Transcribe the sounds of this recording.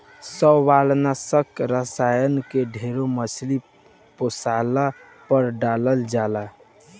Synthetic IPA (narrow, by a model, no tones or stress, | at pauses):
səbʋalnasəkɾəsajənkeɖʱeɾoməsli | posala | pəɾɖaləld͡ʒala